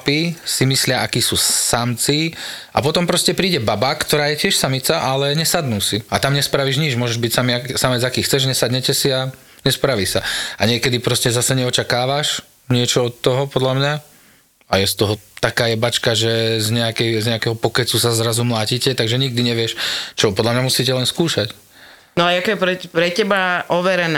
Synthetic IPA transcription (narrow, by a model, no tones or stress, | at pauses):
pisimislɪaʔakiːsuːsamt͡siʔa̰pɔt̪ɔmpɾɔscɛpɾiːɟɛbabakt̪ɔɾaːjɛcɪɛʃsamit͡saʔalɛɲɛsad̪nuːsiat̪amɲɛspɾaʋiːʒɲid͡ʒmʊɔʒɛʒbicsamiasamɛd͡zakiːxt͡sɛʒɲɛsad̪ɲɛcɛsia | ɲɛspɾaʋiːsaaɲɪɛkɛd̪ipɾɔscɛzasɛɲɛɔt͡ʃakaːʋaʃ | ɲɪɛt͡ʃɔɔt̪ːɔɦɔpɔd̪lamɲa | ajɛst̪ɔɦɔt̪akaːjɛbat͡ʃkaʒɛzɲɛakɛjzɲɛakɛɦɔpɔkɛt͡susazɾazumlaːcicɛt̪aɡʒɛɲiɡ̚d̪iɲɛʋɪɛʃt͡ʃɔpɔd̪lamɲamusiːcɛlɛnskuːʃac | nɔajakɔjɛpɾɛpɾɛcɛbaʔɔʋɛɾɛna